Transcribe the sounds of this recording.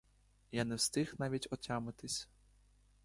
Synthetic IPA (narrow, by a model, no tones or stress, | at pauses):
janɛwst̪ɪxnɑʋʲitʲɔtʲɑmɪt̪ɪsʲ